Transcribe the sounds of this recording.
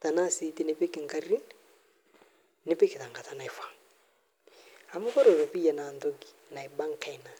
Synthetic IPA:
ta˨na˦si˦ti˦ne˨pe˦ke˨ŋɡa˦ɾi˦ | ne˦pe˦ke˨ta˨ŋɡa˨ta˨na˨e˨fa˨ŋ | a˨mu˦kɔ˦ɾɔ˨ɾɔ˨pi˦a˨na˨ndɔ˦ɡi˨ | na˨e˨ba˦ŋka˦ina˨

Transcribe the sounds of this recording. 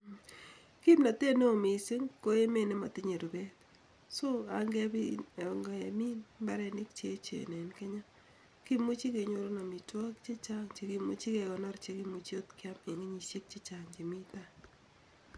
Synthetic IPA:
ki˦mna˨te˦ne˦o˨mɪ˨se˦ŋko˦e˦me˦˨ne˦ma̰˨tɪ˦ɲe˨ɾo˨bɛ˦t̪ | so˦a̰˨ŋɡɛ˦bi˦˨ŋɡa˨ja̰˨mi˦nmba˦ɾɛ˦nɪ˦k̚t͡ʃe˦t͡ʃḛ˨nɛ˨nkɛ˦ɲa˦ | ki˦mu˦t͡ʃi˦ke˨ɲo˨ɾo˦na˨mi˨twɔ˦kt͡ʃe˦t͡ʃa˦ŋt͡ʃe˨ki˦mu˦t͡ʃi˦ke˨kɔ˨na˦ɾt͡ʃe˨ki˦mu˨t͡ʃi˦o˦tkɪ˦a˦me˨ŋe˦ɲi˨se˦k̚t͡ʃe˦t͡ʃa˨ŋd͡ʒe˨mi˦t̪a˦

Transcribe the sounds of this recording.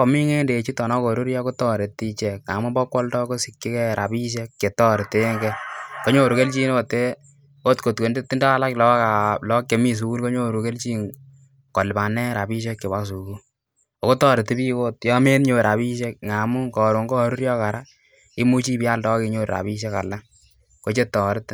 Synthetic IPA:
ɔ˨mi˦ŋe˦nde˨t͡ʃi˦tɔ˨nɔ˦ko˨ɾu˦ɾjɔ˦ko˦tɔ˦ɾe˨ti˦t͡ʃɛ˨k̚ŋa̰˨mu˦bɔ˦kːwɔ˦ltɔ˦ko˦si˨kːi˦kɛ˦ɾa˨bi˦ʃ̬e˦kːke˨tɔ˦ɾte˦ŋɡɛ˦ko˦ɲo˦ɾu˨ke˦lt͡ʃi˦n˦o˨te˦ | o˦tko˨tko˨nde˦tːi˦nda˦a˦la˦klɔ˦kalɔ˦kːe˨mi˦s̬u˨ku˦lko˦ɲo˦˨ɾu˨ke˦lt͡ʃi˦ŋ | kɔ˨lba˨nɛ˦ɾa˨bi˦ʃ̬e˦kːe˨wa˦ksu˨ku˦ | o˨ko˦tɔː˦ɾe˨ti˦bi˦ko˦tjɔ˦me˦nɲo˦ɾa˨bi˦ʃe˦k̚ŋa˨mu˦ŋkɔː˨ɾo˨ŋɡɔ˦ɾu˦ɾjɔ˦ka˨ɾa˦ | i˦mu˦t͡ʃi˦pi˦a˦ltɔ˦kɪ˨ɲo˦ɾɾa̰˨bi˦ʃ̬e˦ka̰˨la˦ŋ | ko˦t͡ʃe˦tːɔː˨ɾɪ˦t

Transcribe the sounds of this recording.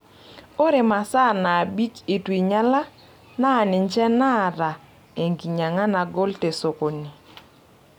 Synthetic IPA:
o˦ɾɪ˨ma˨sa˦˨na˨bi˦kɪ˨twi˨ɲa˦la˦ | naː˦˨nɪ˨ɲd͡ʒɛ˦na˦˨ɾa˨ | e˨ŋɡi˨ɲa˨ŋa˦na˨ɡo˦lte˨so˨ko˨nɪ˨

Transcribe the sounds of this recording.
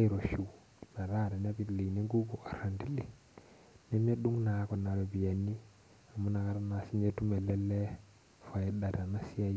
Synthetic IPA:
a˦i˦ɾo˨ʃu˨ | na˨ɾa˦˨ɾe˨n˦a˦bi˦˨li˨ni˦ŋɡu˦ɡo˨ʔa˨ɾa˨ndi˦li˨ | ne˦m˦a˦ɗu˦ŋna˨ko˨na˨ɾo˨bi˨ja˨nːi˦ | a˨mu˦na˨ka˦ɾa˦na˨si˦ɲd͡ʒe˦tu˦me˨le˦le˦ | fa˨ji˦da˨ɾa˨na˦si˦a˦

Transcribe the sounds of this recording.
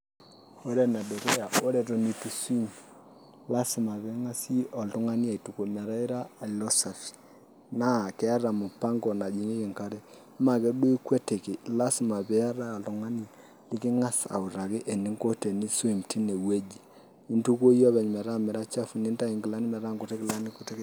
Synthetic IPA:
o˦ɾɛ˨na˨dɔ˨ɾɛ˦ja˨ʔo˦ɾɛ˨to˨ni˨˦tu˦su˦m | la˦sɪ˨ma˨βɛ˦ŋa˦si˦ɔ˨ltʊ˦ŋa˦ni˦a˨i˨tu˨ko˨mɛ˨ɾa˦i˦ɾaː˦˨lɔ˦sa˨fi̥˨ | na˦˨kɛ˦a˦ɾa˨mu˨pa˦ŋɡɔ˨na˨d͡ʒi˨ŋi˦kɪ˨ŋka˦ɾɛ˦ | ma˨kɛ˦ɗu˦i˦kwɛ˦te˨ki˨la˦sɪ˨ma˨bɛ˨a˦ɾa˦˨ltu˨˦ŋa˦ni˦ | lɪ˦kɪ˦ŋa˦sa̰˨u˨ɾa˨kɪ˦ʔe˨ni˦ŋko˦te˨ni˦su˦i˨mti˦ne˨we˦d͡ʒi˨ | i˦ntu˦ko˦jɔ˦βɛ˨ɲ˨mɛ˨ɾa˦mɛ˨ɾa˦t͡ʃa˦fu˨ni˦nta˦i˨ŋɡɪ˨la˦ni˦mɛ˨ɾa˦ŋɡo˨tɛ˦kɪ˨la˦ni˦ku˦tɛ˦k

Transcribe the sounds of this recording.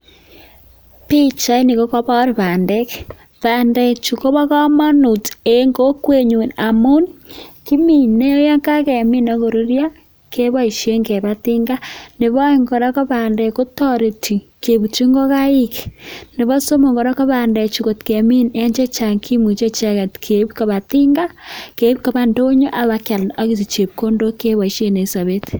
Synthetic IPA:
pi˦t͡ʃa˦i˦ni˨ɣo˦ka˦βa˦o˦ɾi˨βa˨nde˦ke | βa˨nde˨t͡ʃu˨ko˦βa˦ka˦ma˦nu˨te˨˦ŋɡo˦kwe˦˨ɲu˨na˨mu˦nki˦mi˨ne˦o˦ja˦ŋka˦ke˨mi˦no˦ɣo˨ɾu˦ɾja˦ | ke˦βa˦i˨ʃe˦ŋɡe˨βa˦ti˦ŋɡa˦ne˨βɔ˦ŋɡɔ˨ɾa˦ko˦ba˨ndɛ˨ko˦tɔ˦ɾe˨ti˨ | ke˨βu˨t͡ʃi˦ŋɡo˦ka˦i˦kne˨βɔ˦so˦mo˨ŋɡo˨ɾa˦kɔ˦βa˨ndɛ˨t͡ʃu˨ko˨tkɛ˨mi˦nɛ˦ɲd͡ʒe˦t͡ʃa˨ŋkʰi˦mu˨t͡ʃe˦t͡ʃa˦ka˨tkʰe˨˦bko˨βa˨ti˦ŋɡa˦ke˨˦bko˨ba˦ndo˦ɲo˦ʔa˨βa˦kja˨lna˦ki˦ti˨t͡ʃe˨p̚ko˦ndo˦ke˦βa˨i˨ʃje˦ne˨sa˨βe˦t

